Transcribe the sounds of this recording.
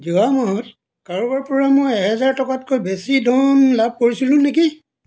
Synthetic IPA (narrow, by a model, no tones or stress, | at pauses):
zuamɔɦɔt | kaɹubaɹpɔɹamojɛɦɛzaɹtɔkatkojbesidʱɔmlab̚koɹisilũneki